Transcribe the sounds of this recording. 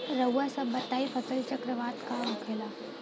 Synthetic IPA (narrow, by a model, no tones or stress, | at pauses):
ɾəwːasɐbət̪aːifəsəlt͡ɕəkɾəʋaːt̪kaɾukʰela